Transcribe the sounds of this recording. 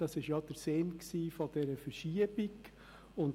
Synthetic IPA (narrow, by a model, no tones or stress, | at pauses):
ɑsɪʃjɑd̥̪əɾseːnksiːfɔd̥ɛɾəfəɾʃiəb̥ɪɡ | ʊn